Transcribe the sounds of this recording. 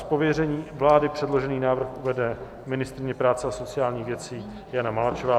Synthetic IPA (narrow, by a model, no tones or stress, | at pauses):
po̞vjɛrɛɲiːvlaːdɪpr̝̥ɛdlo̞ʒɛniːnaːvr̩xʔuvɛdɛ | mɪnɪst̪ɾɪɲɛpɾaːt͡sɛaso̞t͡sɪjaːlɲiːɣvjɛt͡siː | janamalat͡ʃovaː